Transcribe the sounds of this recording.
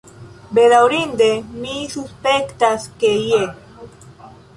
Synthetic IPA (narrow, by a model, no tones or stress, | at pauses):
beðawɾind̪emisuspekt̪askeje